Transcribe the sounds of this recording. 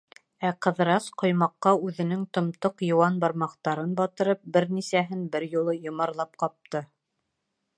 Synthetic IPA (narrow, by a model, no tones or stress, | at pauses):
æqɤ̆ðɤɾɑsqŏjmɑqːɑʉðɘ̆nɘŋt̪ŏmt̪oqjɤ̆wɑnbɑɾmɑqt̪ɑɾɤnbɑt̪ɤ̆ɾɤp̚bɘɾnisæɦɘnbɘɾjulˠɤjŏmɑɾlˠɑp̚qɑp̚t̪ɤ